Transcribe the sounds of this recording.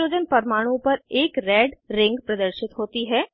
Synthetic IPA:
oːd͡ʒənpɐɾmaːɽ̃ũpɐɾeːkɾɛːɖɾɪ̃ŋɡpɾɐd̪əɾʃɪt̪ɦoːt̪iɦɛː

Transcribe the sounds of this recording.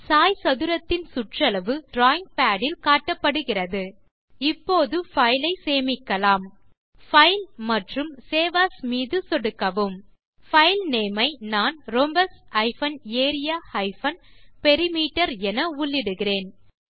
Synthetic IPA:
saːjsɐðɯɾɐt̪ːɪnsʊʈrɐlɐʋɯɖɾaːjɪŋɡ̚paːɽɪlkaːʈːɐpːɐɽɯɣɪrɐðɯ | ɪpːoːðɯfɐjlɐɪseːmɪkːɐlaːm | fɐɪlmɐʈrɯmseːʋaːsmiːðɯsɔɽɯkːɐʋɯm | fɐɪlneːmɐɪnaːnɾɔmbɐsɐɪfɐneːɾɪjaːhɐɪfɐnpɛɾɪmiːʈːɐɾɛnɐʊɭːɪɽɯɣɪreːn

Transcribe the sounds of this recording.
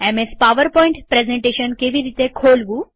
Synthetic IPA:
ɛmespaʋəɾpɔĩɳʈpɾezẽɳʈeɕənkeʋiɾiːt̪ekʰolʋu

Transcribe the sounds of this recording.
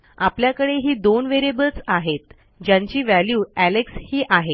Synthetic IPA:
apljakəɽeɦiːd̪onʋeɾebət͡saɦet̪ | d͡ʑjãɲt͡ɕiːʋæljuælekshiːʔaɦe

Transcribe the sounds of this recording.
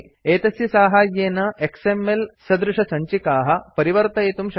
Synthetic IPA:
eːt̪ɐsjɐsaːɦaːjeːnɐʔeksemːelsɐd̪ɾuʂɐsɐɲt͡ʃikaːɦɐ̆pɐɾiʋɐɾt̪ɐeːt̪umʃ

